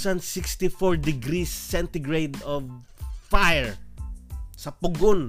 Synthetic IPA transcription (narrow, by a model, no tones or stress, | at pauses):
sansɪkst̪ifɔɹd̪ɪɡɾisːɛnt̪ɪɡɹejd̪ɔv | fajɛɹ | sɐpʊɡon